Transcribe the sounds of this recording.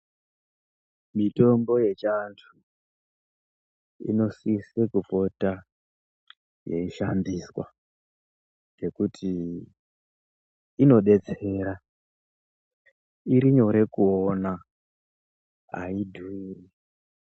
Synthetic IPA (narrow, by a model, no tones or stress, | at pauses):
mito̞mbo̞je̞t͡ʃantʰu | ḭno̞sisekufo̞ta | jḛiʃandiswa̰ | d͡ʒe̞kutʰi | no̞ɗe̞t͡se̞ɾa | iɾiɲo̞ɾe̞kuona | a̰idʱuiːri